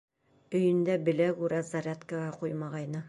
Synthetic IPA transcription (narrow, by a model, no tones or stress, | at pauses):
ɵ̆jɵ̆nd̪æbɘ̆læɡuɾɑzaɾʲat̪kəʁɑqujmɑʁɑjnɤ